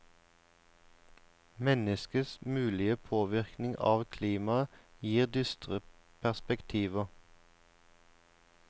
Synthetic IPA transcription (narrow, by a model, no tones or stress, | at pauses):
mɛnəskəsmʉːlɪəpʰoːʋɪʁknɪŋʔɑ̰ːʋkʰliːmɑəjiːʁd̪ʏst̪ʁə | pʰæʁspɛkt̪ʰiːʋə